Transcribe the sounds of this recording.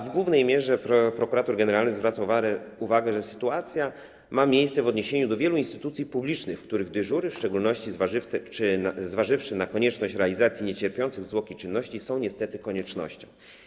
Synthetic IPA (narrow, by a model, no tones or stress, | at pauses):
vɡwuvnɛjmʲjɛʐɛpɾɔpɾɔkuɾat̪uɾɡɛnɛɾalnɘɣzvɾat̪savauvaɡɛʐɛsɘ̥t̪uat̪sʲja | mamʲjejst̪sɛvɔd̪ɲeɕeɲud̪ɔvjɛluinst̪ɘ̥t̪ut̪sʲjipublʲit͡ʂnɘxfkt̪uɾɘɣd̪ɘʐuɾɘfʂt͡ʂɛɡulnɔɕt͡ɕi | zvaʐɘfʂɘnakɔɲɛt͡ʂnɔɕt͡ɕɾɛalʲizat̪sʲjiɲet͡ɕɛɾpʲjɔnt̪sɘɣzwɔkʲit͡ʂɘnːɔɕt͡ɕisɔ̃w̃ɲɛst̪ɛt̪ɘkɔɲɛt͡ʂnɔ̰ɕt͡ɕɔ̰̃w̃